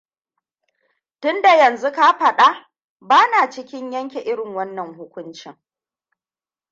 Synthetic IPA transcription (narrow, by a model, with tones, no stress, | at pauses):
tʊ˦nda˨jɐ˨nzu˦ka˦ɸɐ˨ɗa˦ | baː˦naː˨t͡ʃɪ˦kʲɪ˦ɲjɐ˦ŋkʲe˨ʔɪ˦ɽɪ˨ŋwɐ˦nːɐ˨ŋhʊ˦kʷʊ˦nt͡ʃɪ˨ŋ